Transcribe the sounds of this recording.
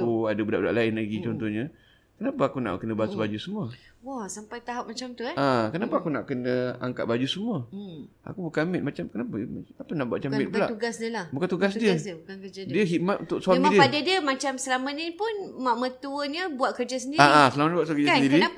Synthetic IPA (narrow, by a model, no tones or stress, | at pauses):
uadəbədaʔbuda̰ʔlaɪnlaɡit͡ʃɔnt̪ɔhɲə̃ | kənapəakuna̰ʔkənəbaasubad͡ʒusəmuəwasampajt̪aɦap̚mat͡ʃamt̪uɛəkənapaakunaʔkənəaŋka̰t̪̚bad͡ʒusəmuəa̰kubukanmɪt̪̚mat͡ʃamkənapəaapənaʔbuat̪̚t͡ʃammɪt̪̚pulaʔ̪uɡasdiəlahbukant̪uɡasdiəskəd͡ʒdiəɦiʔ̚mat̪ʔunt̪ʊksoanmĩdiəpadədiəmat͡ʃamsəlamaɲipʊnmaʔmət̪uəɲəbuat̪̚kərd͡ʒasəndiaasəlamaʔɲəbuat̪sakəd͡ʒasəndiɾi